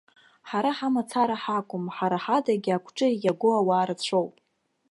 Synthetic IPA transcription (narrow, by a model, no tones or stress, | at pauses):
ħaɾaħamat͡sʰaɾaħakʷʼʊmħaɾaħadaɡʲiakʷʰʈ͡ʂʼɨijaɡʷoawaːɾat͡ɕʷʰo̞wpʼ